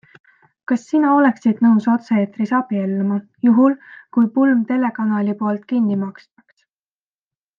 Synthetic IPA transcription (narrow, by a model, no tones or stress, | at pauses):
kɑsːinɑo̞le̞ksid̪̥nɤwso̞t̪sɑeːt̪risɑbielːmɑ | juɦulkujpulmt̪e̞le̞kɑnɑːlipoːlt̪kinːimɑkst̪ɑ̥ks